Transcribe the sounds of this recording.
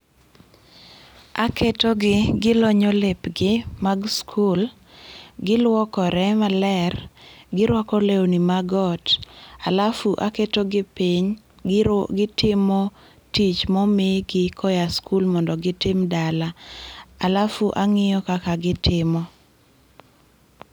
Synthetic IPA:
a̰kʰetoɡɪɡɪloɲɔlɪpɡɪmaɡskʰul | ɡɪlwɔkɔɾɛmalɛrɡɪɾwakɔlewnimaɡɔtalafuʔaketoɡɪpiɲ | ɡɪtɪmɔ | tit͡ʃmɔmɪɡɪkʰɔjaskʰulmɔndɔɡɪtɪmdalaalafuʔaŋɪjɔkakaɡɪtɪmɔ

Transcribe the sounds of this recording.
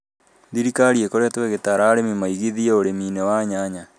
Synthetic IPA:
ðiɾikaɾiekoɾetwɛɣetaɾaːɾemimaiɣiðiɛoɾemiːnewaːɲaɲa

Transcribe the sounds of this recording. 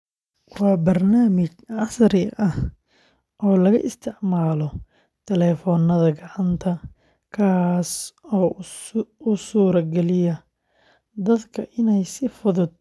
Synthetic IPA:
wɑːbɐrnaːmɪt͡ʃʕɑsɾɪʔɐh | ʔɔːlɐɣɐ̰ʔɪ̰st̪ʰɪʕmaːlɔ | t̪ʰɛlɛːfɔːnɐðɐɡɑʕɑnt̪ʰɐ | kʰaːsɔː | ʊsuːɾɐɡɛlɪjɐ | d̪ɐd̪kʰɐʔɪnɛjsɪfʊðʊd̪̥̚

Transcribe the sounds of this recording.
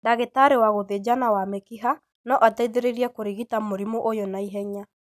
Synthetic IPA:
daɣetaɾewaɣoðed͡ʒanawamɛkiɦa | nɔʔataiðeɾeɾiɛkoɾiɣitamoɾimoʔojɔnaiɦɛɲa

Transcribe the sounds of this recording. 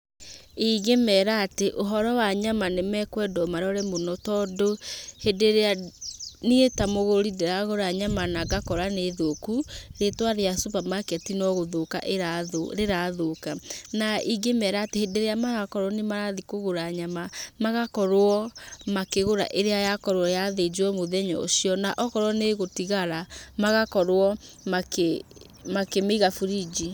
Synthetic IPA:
iɡemɛːɾaːteʔoɦɔɾɔwaɲamanemɛkwɛdɔmaɾɔɾɛmonɔtɔːdohedeɾea | neetamoɣoɾideɾaɣoɾaɲamanaɡakɔɾaneðokuɾetwaɾeasopamakɛtinɔɣoðoka̰ʔeaoɾeɾaðokanaʔiɡemɛɾatehedeɾeamaɣakɔɾwɔnemaɾaðikoɣoɾaɲamamaɣakɔɾoɔmakeɣoɾa̰ʔeɾeajakɔɾwɔjaðed͡ʒwɔmoðɛɲɔ̰osiɔnaʔɔkɔɾwɔneɣotiɣaɾamaɣakɔɾwɔ | make | makemeiɣafuɾid͡ʒi

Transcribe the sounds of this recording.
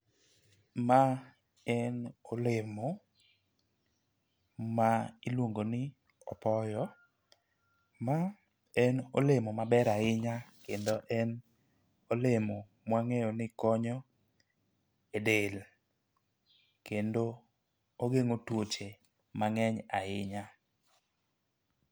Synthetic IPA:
ma | ɛnolemo | mailwoŋɡonɪ | ɔ̰pɔjɔ | ma | ɛno̰lemomabɛɾaɪɲakendoʔɛn | olemo | mwaŋejɔnɪkɔɲɔ | edel | kendo | oɡeŋotwot͡ʃe | maŋɛɲaɪɲa

